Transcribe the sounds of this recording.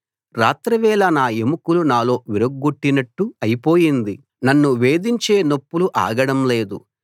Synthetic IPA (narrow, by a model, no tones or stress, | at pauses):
ɾaːt̪ɾɐʋɛːlɐnaːemukulunaːlo̞ːʋiɾɐɡːuʈːinɐʈːuɐjpo̞ːjind̪i | nɐnːuʋe̞ːd̪iɲt͡ʃe̞ːnopːuluʔa̰ːɡɐɽɐmle̞ːd̪ṵ